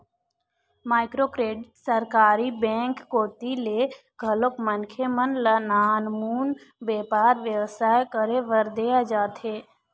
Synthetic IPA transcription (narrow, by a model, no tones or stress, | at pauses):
maːɪkɾokɾeːɖsəɾkaːɾibɛ̃ːŋkːoːʈile | ɡʱəlokmənkʰemənlənaːnmuːnbeːpaːɾʋjəʋsaːjkəɾeʋəɾd̪ead͡ʒaːt̪ɦeː